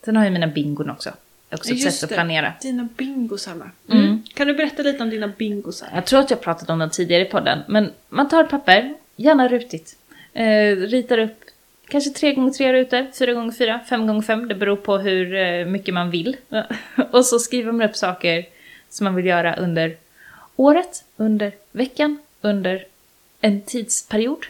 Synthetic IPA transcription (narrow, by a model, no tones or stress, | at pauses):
d̪̥ɛnhaɾjɵmiːnabɪŋɡʊɳɔ̰ksɔ̰ | ɔ̰ksɔsɛt̪ːɔlaneːɾa̰d̪̥iːnabɪŋɡʊsaɾa̰m̩kʰand̪ɵbɛɾɛt̪ːaliːt̪əɔmd̪iːnabɪŋɡʊsa̰ɾjɑːɡt̪ʰɾuːɾat̪jaːɡ̚pɾɑːt̪ad̪ɔmd̪ɛnt̪ʰiːd̪ɪɡaɾəɪpʰɔd̪ːə̰nmɛnmant̪ʰɑːɾpʰapːəɾ | jæːɳaɾʉ̟ːt̪ɪt̪ | ɾiːt̪aɾɵpː | kʰanʂət̪ʰɾeːɡɔŋːət̪ʰɾeːɾʉ̟ːt̪əɾfyːɾaɡɔŋːəɾfyːɾafɛmɡɔŋːəfɛmːd̪ɛbɛɾuːɾpʰɔɦɵɾmʏkːəmanvɪlː | ɔsɔskɾiːvəɾmanɵpːsɑːkəɾ | sɔmːanvɪljœːɾaʔɵnd̪əɾ | oːɾət̪ɵnd̪əɾvɛkːan | ɵnd̪əɾ | ɛnt̪ʰiːd̪spʰæɾɪuːd̪